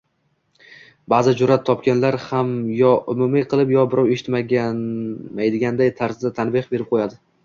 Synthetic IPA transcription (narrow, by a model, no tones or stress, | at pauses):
baːzɪd͡ʒʊɾat̪ʰːɒpkʲanlaɾhamjɒʔʊmʊmiqʰɨlˠɪpjɒbɪɾʔɒwe̞ʃɪ̥t̪maɡʲ | majd̪ɪɡʲand̪ajt̪ʰaɾsd̪at̪ʰanbɪχbe̞ɾɪp̚qʰojad̪ɪ